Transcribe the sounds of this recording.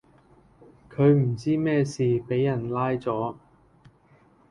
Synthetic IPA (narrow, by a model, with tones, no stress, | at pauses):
kʰɵ˨˧ɥm̩˨˩t͡siː˥mɛː˥siː˨pe˨˥jːɐ˨˩nlaː˥jt͡sɔː˨˥